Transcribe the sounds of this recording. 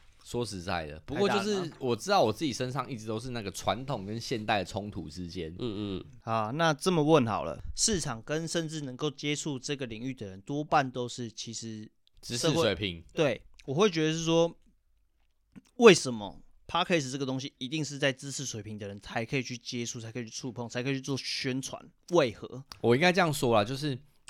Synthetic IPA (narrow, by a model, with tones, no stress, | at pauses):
swɔ˥ʂɻ̩˧˥t͡sa̰˥˩ɪd̪ə̰˩pu˧kwjo˥˧ʂɻ̩˥˨wɔ˨˩ʈ͡ʂɻ̩˥t̪ɑ˥˩ʊwɔ˨˩t͡sɹ̩˥˩t͡ɕi˨˩ʂə˦nʂɑ˥˧ŋi˥˩ʈ͡ʂɻ̩˧˥t̪o˥ʊʂ̬̩˥˧na˥˩ɡə˩ʈ͡ʂʰwa˧˦nt̪ʰo˨˩ŋkə˦nɕjɛ˥˧nt̪a˥˩ɪd̪ə˩ʈ͡ʂʰʊ˦˥ŋt̪ʰṵ˨ʈ͡ʂɻ̩˦t͡ɕjɛ˦n˧ | a˨˩na˥˧ʈ͡ʂə˥˩mə˩wə˥˩nxɑ̰˨˩ʊlə̰˦ʂɻ̩˥˩ʈ͡ʂʰɑ˨˩ŋkə˦nʂə˥˧nʈ͡ʂɻ̩˥˩nə˧˦ŋko˥˨ʊt͡ɕjɛ˥ʈ͡ʂʰu˥˧ʈ͡ʂɤ˥˩ɡə˩li˨˩ŋy˥˩d̪ə˩ɻə˧˦nt̪wɔ˥pa˥˨nt̪o˥ʊʂɻ̩˥˩t͡ɕʰi˧˥ʂɻ̩˧˦ | t͡sɻ̩˥˩swe˨˩ɪpʰi˨˧˦ŋt̪we˥˩ɪwɔ˨˩xwe˥˩ɪt͡ɕɥɛ˧˥d̪ə˧ʂ̬ɻ̩˥˩ʂwɔ˥ | we˥˩ɪʂə˨˦nmə̰˨t̪ʰa˥kʰə˧˥i˨˩ʂɻ̩˨˩ʈ͡ʂə˥˩ɡə˩t̪o˥ŋɕ̬i˧˦i˧˥t̪i˥˧ŋʂ̬ɻ̩˥˧t͡sa˥˩ɪt͡sɹ̩˦t͡sʰɻ̩˥˩swe˨˩ɪpʰi˦ŋd̪ə˨ɻə˧˦nt͡sʰa˧˦˥ɪkʰɤ˧˥i˨˩t͡ɕʰy˥˩t͡ɕjɛ˦ʈ͡ʂʰu˥˧˩t͡sʰa˧ɪkʰi˨˩t͡ɕʰy̥˥ʈ͡ʂʰu˥˧pʰŋt͡sʰa˧˥ɪkʰi˨˩t͡ɕʰy˥t͡s̬wɔ˥˨˩ɕɥɛ˦nt͡sʰwa̰˨˦n | we˥˩ɪxɤ̰˧˦wɔ˨˩i˥ŋka˥ɪʈ͡ʂɤ˥˧jɑ˥˨ŋswɔ˥la˨t͡ɕjo˥˧ʊʂɻ̩˥˩